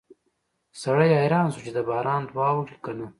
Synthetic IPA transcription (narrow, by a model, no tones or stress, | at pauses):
sɐɽɐjajɾɑːnsut͡ʃed̪abɑːɾɑːnd̪wɑːwuʈi̥kɐnu